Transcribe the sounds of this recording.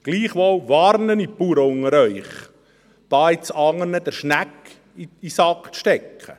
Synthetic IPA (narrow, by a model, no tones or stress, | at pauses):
ɡ̥liːχʋɔwʋɑːɾnənipuɾəʊŋəɾœʏχ | d̥ɑːɪt͡sɑŋːənəd̥̪əɾʃnæk | iisɑkt͡sʃtɛkʰχə̰